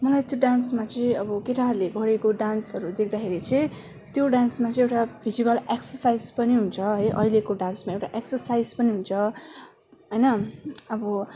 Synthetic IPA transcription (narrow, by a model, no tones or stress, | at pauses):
mʌlajt̪joɖansmat͡sʌĩʌbʌkeʈarleɡʱʌɾekoɖansɦʌɾud̪ekʰd̪akʰeɾit͡sʌĩ | t̪joɖansmat͡sʌĩewʈapʰizikʌleksʌrsajzpʌniɦunt͡sʰʌɦʌjʔʌ̰ilekoɖansmaewʈaʔeksʌrsajd͡zpʌniɦunt͡sʰʌ | ɦʌjnʌʌbʌ